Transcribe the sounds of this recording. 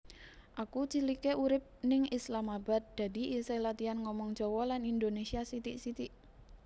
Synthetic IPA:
ʔakut͡ʃilikeʔuɾɪp̚nɪŋislamaba̤t̪̚d̪̥a̤d̪i̤iselat̪ianŋɔmɔŋ̥ʒ̥ɔwɔlanind̪onesiasit̪iʔsit̪iʔ

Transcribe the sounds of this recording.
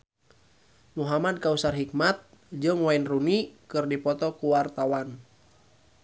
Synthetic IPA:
muɦamad̚kausarɦik̚mat̪̚ | d͡ʒɨŋwainrunikɨrdipɔt̪ɔkuwart̪awan

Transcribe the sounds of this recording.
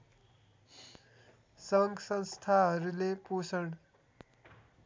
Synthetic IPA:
sʌŋɡsʌnst̪ʰaɦʌɾulepusʌɽ

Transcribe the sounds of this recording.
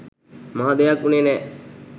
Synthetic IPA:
maɦad̪ejakːunenɛ

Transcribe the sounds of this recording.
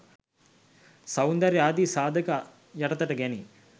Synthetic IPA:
sɐund̪ɐɾeaːd̪isaːd̪ʱəka | jɐʈɐt̪əʈəɡæni

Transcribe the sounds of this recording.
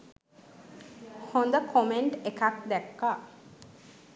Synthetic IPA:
hõnd̪əkʰomeɳʈekak̚d̪ɛkːa

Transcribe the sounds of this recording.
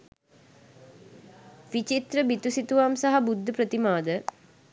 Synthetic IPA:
ʋit͡ʃit̪ɾəbit̪usit̪uʋamsaɦabud̪ʱːəpɾət̪imaːd̪ə

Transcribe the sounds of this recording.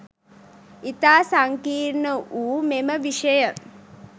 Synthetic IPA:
it̪aːsaŋkiːɾnəʔuːmeməʋiʃəjə

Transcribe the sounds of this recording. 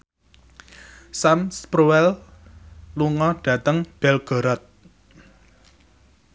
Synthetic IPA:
samspɾuwɛl | luŋɔɖ̥ä̤t̪əŋb̥ɛlɡ̥ɔ̤ɾɔt̪̚

